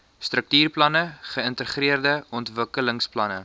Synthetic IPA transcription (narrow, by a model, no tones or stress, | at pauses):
strək̚tyːrplɐnəχəəntəχriərdəɔntvəkələŋsplɐnə